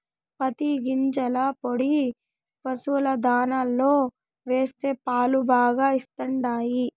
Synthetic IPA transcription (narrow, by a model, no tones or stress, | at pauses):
pɐt̪iɡiɲt͡ʃɐlɐpoɽi | pɐsulɐd̪aːnalːo̞ː | ʋe̞ːst̪e̞ːpaːlubaːɡaːist̪ɐɳɖaːji